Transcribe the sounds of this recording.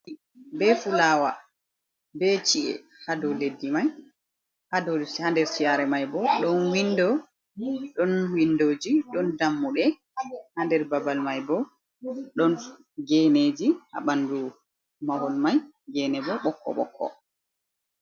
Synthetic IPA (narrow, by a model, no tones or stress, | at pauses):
bɛfulaːwa | bɛt͡ʃiʔɛ̰ | hadɔledːimaj | hadɔhandɛɾsijaɾɛmajbɔɗɔnwindɔ | ɗɔnwindoːd͡ʒiɗɔndamːuɗɛ | handɛɾbabalmajbɔ | ɗɔn | ɡɛneːd͡ʒiha̰ɓandu | mawɔlmaj | ɡɛnɛbɔɓɔkʰːɔ̰ɓɔ̰kʰːɔ̰